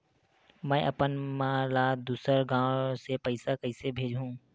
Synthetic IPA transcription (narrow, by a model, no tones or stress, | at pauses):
mɛ̃ʔɐpənmãːlaːd̪uːsəɾɡãːwsepəɪsakəɪsebʱeːd͡ʒɦũː